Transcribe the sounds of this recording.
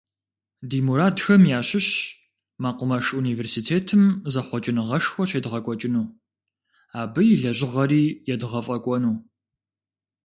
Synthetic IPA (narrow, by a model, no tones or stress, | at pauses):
diːmuɾaːdxɐmjaːɕɪɕ | maːqʷəmɐʂuniːveːrsitʰeːtʰɨmzɐχʷɔt͡ʃʼɪnɨʁɐʂxʷɔɕeːdʁɐkʷʼɔt͡ʃʼɪnuː | aːbɨjɪɮɐɕʼɪʁɐɾiːjɛdʁɐfʼɐkʷʼɔnuː